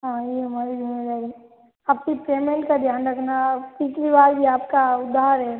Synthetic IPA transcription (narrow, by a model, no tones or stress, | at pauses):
ɦãːjeːɦɐmaːɾid͡ʒʱɪmed͡ʒaːi | ɐpsipɾeːmẽɳʈkad̪ʱjaːnɾɐkʰnapiːt͡ʃɾibaːɾbʱiaːp̚kaʊd̪ʱːaːəɾɦɛː